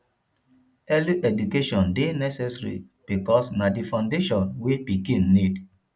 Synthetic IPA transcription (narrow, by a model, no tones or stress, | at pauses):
ɛluʔɛdukeʃɔ̃ndenɛsɛsɹḭ | b̥ikɔsnadifãndeʃɔ̃nwepikĩnːid